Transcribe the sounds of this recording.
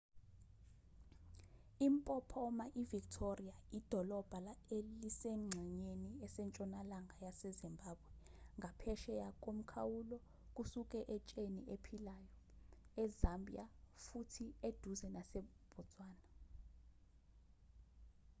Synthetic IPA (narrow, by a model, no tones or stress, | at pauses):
impʼɔpʰɔmaʔiviktʰoriaid̥ʱɔlɔb̥ʱalaelisɛŋ͡ǀʱɛɲeniɛsɛnt͡ʃʼɔnalaŋajasɛzimbʱaːbwɛŋʱapʰɛʃɛjak̬ʼom̩kʰawulɔ | k̬ʼusuk̬ʼɛʔɛt͡ʃʼeniʔepʰilaːjɔɛzambʱiafutʰied̥ʱuzɛnasɛb̥ʱɔ̥t͡sʼwaːna